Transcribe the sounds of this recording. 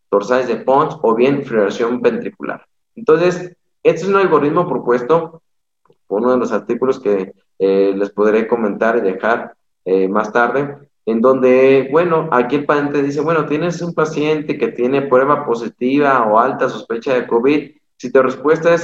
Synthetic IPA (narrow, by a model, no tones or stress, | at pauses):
t̪o̞ɾsajzðepo̞nt̪so̞βje̞nfloɾasjo̞mpent̪ɾikulʔa̰ɾ | ent̪o̞nse̞s | e̞st̪oes̬unalɣo̞ɾiðmo̞pɾo̞pwe̞st̪o̞ | pounoðe̞lo̞saɾt̪ikulo̞ske | le̞spoðɾe̞ko̞mẽ̞nt̪aɾiðe̞xaɾ | emast̪aɾðe̞ | end̪o̞nd̪e̞bwe̞no̞ʔakielpasjent̪eðis̬e̞βwe̞no̞t̪je̞ne̞sumpasje̞nt̪e̞ke̞t̪je̞ne̞pɾwe̞βapo̞s̬it̪iβaoalt̪as̬o̞spe̞t͡ʃaðe̞ko̞βið | sit̪orespwest̪aes